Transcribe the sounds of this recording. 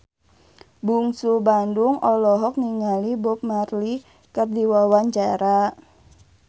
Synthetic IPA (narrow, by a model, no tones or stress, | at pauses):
buŋsubandʊŋɔlɔɦɔk̚niŋalibɔp̚marli | kərdiwawaɲt͡ʃaɾa